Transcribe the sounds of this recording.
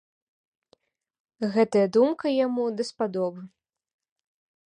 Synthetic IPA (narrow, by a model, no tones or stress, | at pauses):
ɣɛt̪ɐjɐd̪umkɐjamud̪ɐspad̪ɔbɨ